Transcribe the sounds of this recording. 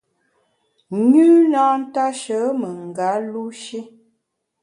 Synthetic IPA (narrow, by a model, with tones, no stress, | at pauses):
ɲʉ˦na˦n̩˦ta˦ʃə˨˦mə˨ŋ̩˨ɡa˨˦lu˦ʃi˦